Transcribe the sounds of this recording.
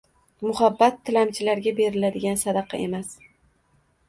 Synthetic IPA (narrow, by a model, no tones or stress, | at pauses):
mʊhabːat̪ʰːɪlamt͡ʃʰɪlaɾɡʲabe̞ɾɪlad̪ɪɡʲansad̪ɑqʰɑ̰ʔe̞mas